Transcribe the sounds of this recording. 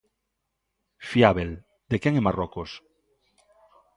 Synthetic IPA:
fjaβel | d̪ekjeŋemarokos

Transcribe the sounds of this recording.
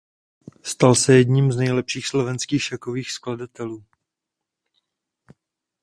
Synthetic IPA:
st̪alsɛjɛdɲiːmznɛjlɛpʃiːxslovɛnskiːxʃakoviːxskladat̪ɛluː

